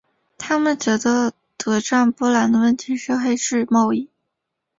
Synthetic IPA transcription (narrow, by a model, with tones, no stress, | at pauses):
t̪ʰa˥mə˨nt͡ɕɥɛ˧˥d̪ə˧ | t̪ɤ˧˥ʈ͡ʂa˥˧ŋpɔ˥˩la˧˥nd̪ə˧wə˥˩nt̪ʰi˧˥ʂ̩˥˩xe˥˧ɪʂɻ̩˥˧mɑ˥˧ʊi˥˩